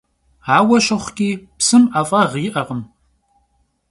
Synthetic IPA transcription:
aːwɐɕɐχʷkʲʼiːpsɨmʔafʼɐʁiːʔɐʁəm

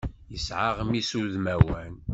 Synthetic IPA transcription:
jəsʕaʁmisuðmæwæn

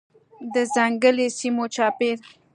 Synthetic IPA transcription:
d̪əzaŋɡəlesimot͡ʃɑpeɾ

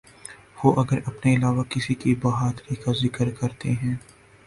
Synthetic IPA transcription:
ʋoʔɐɡəɾɐpneɪlaːʋakɪsikibɐːɦat̪əɾiːkazɪkəɾkɐɾt̪eɦɛ̃ː

